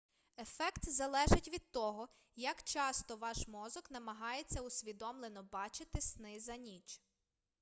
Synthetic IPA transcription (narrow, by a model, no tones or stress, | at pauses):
e̞fɛkt̪zɐlˠɛʒɪtʲʋʲid̪̚t̪ɔɦɔ | jɐkt͡ʃɑst̪ɔʋɑʃmɔzɔknɐmɐɦɑjet͡sʲːɐusʲʋʲid̪ɔmlˠenɔbɑt͡ʃɪt̪ɪsnɪzɐnʲit͡ʃ